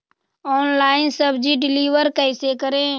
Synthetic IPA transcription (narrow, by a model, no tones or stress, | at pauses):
ɔːnlaːɪnsəbd͡ʒiɖɪliːʋəɾkəːsekəɾẽː